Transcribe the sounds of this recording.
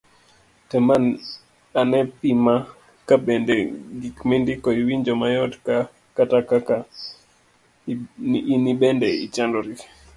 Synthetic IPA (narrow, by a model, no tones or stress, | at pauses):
tɛman | anɛpima | kabɛndɛɡikmɛndikɔiwiɲd͡ʒɔmajɔtka | katakaka | nibɛndɛḭt͡ʃandɔɾik